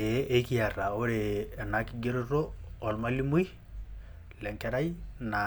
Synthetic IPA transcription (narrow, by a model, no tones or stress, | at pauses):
eekiaraoɾenakiɡeɾoroːlmalimui | lɛŋkɛɾaina